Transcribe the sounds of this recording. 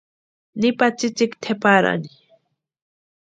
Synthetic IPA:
nɪpat͡ʃit͡ʃikt̪ʰepaɾa̰ni

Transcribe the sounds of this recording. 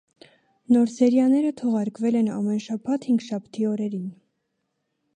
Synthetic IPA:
nɔɾsɛɾjɑnɛɾət̪ʰɔʁɑɾkvɛlɛnɑ̰mɛnʃɑpʰɑt̪ʰhiŋɡʃɑpʰt̪ʰiɔɾɛɾin

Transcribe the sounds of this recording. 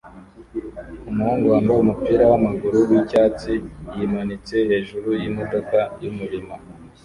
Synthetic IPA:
umuhaŋɡwaːndaumupiːɾawamaɡuɾuwicaːt͡sijimanit͡se̞he̞ːʒuɾujimo̞do̞kajumuɾima

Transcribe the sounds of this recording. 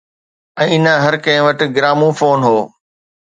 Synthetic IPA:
ɛ̃ːɪnəɦɐɾkɐ̃ɦɪ̃ʋəʈɪ̆ɡɪɾaːmũfoːnɦoː

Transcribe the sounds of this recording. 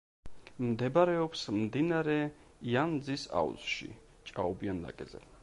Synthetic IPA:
md̪ɛbɾɛɔpsmd̪inaɾɛ | iand̪zisa̰ṵzʃḭ | t͡ʃʼaɔbianla̰kʼɛzɛ̰

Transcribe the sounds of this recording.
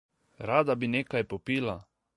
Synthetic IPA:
ɾaːd̪abineːkajpɔpiːla

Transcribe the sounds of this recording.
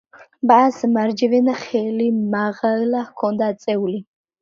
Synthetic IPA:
basmaɾd͡ʒɛvɛnaχɛlimaʁallahkʰɔnd̪at̪sʼɛuli

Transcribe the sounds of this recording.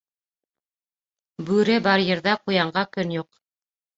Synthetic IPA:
bʉɾɘbɑɾjɤ̆ɾðɑqujɑɴɢɑkɵnjuq

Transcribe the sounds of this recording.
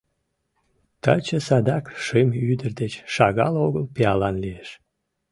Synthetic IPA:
t̪ɑ̰t͡ɕəsɑd̪ɑkʃemyd̪ərd̪et͡ɕʃɑɣɑ̰loɣəlpeɑlɑnlijeʃ

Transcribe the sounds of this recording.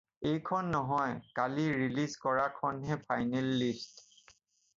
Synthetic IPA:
ejkʰɔnːɔɦɔjkaliɹilizkɔɹakʰɔnɦɛpʰajnelːist

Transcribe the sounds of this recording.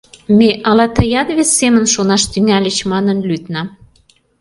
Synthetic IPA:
meʔɑlɑt̪əjɑnβesːemənʃonɑʃt̪yŋælʲə̆t͡ɕmɑnənlyt̪nɑm

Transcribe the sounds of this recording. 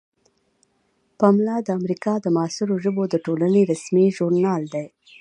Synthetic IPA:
pɑmlɑd̪əamɾikɑd̪əmɑsɪɾoʒəbod̪əʈolaneɾasmiʒuɾnɑld̪ej

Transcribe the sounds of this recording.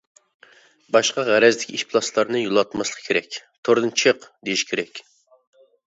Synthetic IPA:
bɑʃqɑʁæɾɛzd̪ɪkʲʰiʃpʰlˠɑslˠɑɾnɨjulˠɑt̪mɑslˠə̥qʰkʲʰeɾɛkʲt̪ʰoɾd̪ɨnt͡ʃʰeəqd̪ejiʃi̥kʲʰeɾɛkʲ

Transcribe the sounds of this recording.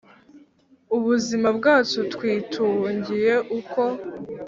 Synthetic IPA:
uβuzimabɡaːt͡ʃutkwiːtʰuːɲɟije̞ʔuko̞

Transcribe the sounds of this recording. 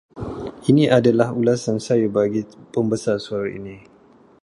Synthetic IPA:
iniʔadalahulasansajubaɡipəmbəsarsuaɾaḭni

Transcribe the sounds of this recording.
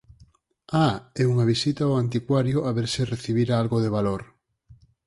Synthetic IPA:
aɛuŋaβ̞isit̪aoant̪̬ikwaɾjoʔaβeɾsɪreθiβiɾaalɣoðeβaloɾ

